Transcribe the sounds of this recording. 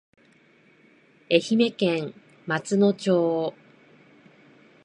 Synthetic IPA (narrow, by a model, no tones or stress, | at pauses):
e̞çime̞kẽŋ | mat͡sɨno̞t͡ɕoː